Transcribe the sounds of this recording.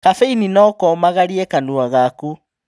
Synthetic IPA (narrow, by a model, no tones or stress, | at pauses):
kafeininɔkɔmaɣaɾiɛkanuaɣaku